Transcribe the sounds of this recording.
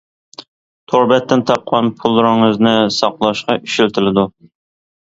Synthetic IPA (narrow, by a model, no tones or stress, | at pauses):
t̪ʰoɾbɛt̪ːɪnt̪ʰɑp̚qʰɑnpʰulˠːɾɑɨznɪsɑqlˠɑʃqɑʔyʃylt̪ʰɪlɪd̪u